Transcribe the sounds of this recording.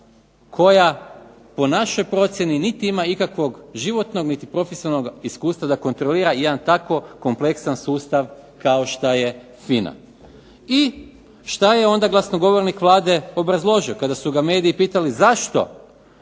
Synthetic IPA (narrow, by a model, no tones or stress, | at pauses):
kʰo̞ja | po̞naʃo̞jpɾo̞t̪sʲje̞ninit̪iimaikakʋo̞ɡʒiʋo̞t̪no̞ɡnit̪ipɾo̞fesionoɡiskuːst̪ʋad̪ako̞nt̪ɾoliːɾajed̪ant̪ako̞ko̞mple̞ksansuːst̪aʋkao̞ʃt̪aje | fina̰ | i | ʃt̪ajeo̞nd̪aɡlˠasno̞ɡo̞ʋo̞ɾnikʋlˠaːd̪e̞o̞bɾazlˠo̞ʒio̞kad̪asuɡame̞ːd̪iːpiːt̪alizaʃt̪o̞̰